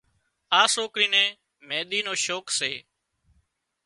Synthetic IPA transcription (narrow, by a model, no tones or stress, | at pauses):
ãːsoːkɾiːnẽː | mẽːɗ̪iːnoːʃoːkseː